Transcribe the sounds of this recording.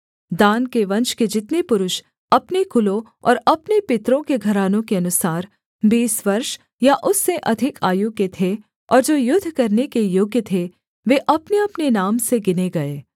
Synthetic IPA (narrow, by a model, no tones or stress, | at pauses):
d̪aːnkeʋɐ̃nt͡ʃked͡ʒɪt̪nepʊɾʊʃ | ɐpnekʊlõ | ɔ̰ːɾɐpnepɪt̪ɾõkeɡʱɐɾaːnõkeɐnʊsaːɾ | biːsʋɐɾʃ | jaʔʊsːeʔɐd̪ʱɪkʰaːjʊɡjet̪ʰe | ɔːɾd͡ʒoːjʊd̪ʱːkɐɾnekejoːɡjət̪ʰe | ʋeːʔɐpneɐpnenaːmseɡɪneɡɐeː